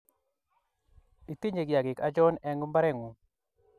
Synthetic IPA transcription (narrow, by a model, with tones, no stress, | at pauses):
i˨ti˦ɲe˨ɡja˨ɡɪ˨ka˦d͡ʒɔ˦nɛ˨ŋɡmba˦ɾɛ˦˨ŋu˨